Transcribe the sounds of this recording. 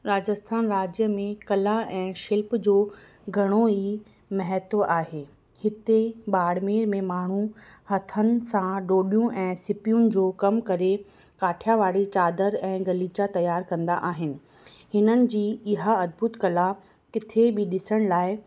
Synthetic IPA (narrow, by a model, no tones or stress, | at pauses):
ɾaːd͡ʑəst̪ʰaːnɾaːd͡ʑjəmẽkɐlaɛ̃ːʃɪlpd͡ʑoː | ɡʱɐɽ̃oiː | mɛɦɛt̪ʔaːɦeː | hɪt̪eɓaːɽmeːɾmẽmaːɳ̤ũ | hɐt̪ʰənɪ̆sãɖoːɗijũʔɛ̃ːsɪpijunɪ̆d͡ʑoːkɐmkɐɾe | kaːʈʰjaʋaːɽet͡ɕaːd̪əɾɛ̃ːɡɐliːt͡ɕat̪ɐjaːɾkɐ̃nd̪a̰ʔaːɦɪnɪ̆ | hɪnənɪ̆d͡ʑiːɪɦaɐd̪̚bʊt̪kɐla | kɪt̪ʰebɪɗɪsəɽ̃laːɪ